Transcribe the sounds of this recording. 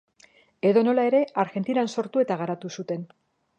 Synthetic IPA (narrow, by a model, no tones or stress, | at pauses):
e̞ðo̞no̞lae̞ɾe̞aɾɣe̞nt̪inanso̞ɾt̪ue̞t̪aɣaɾat̪usut̪e̞n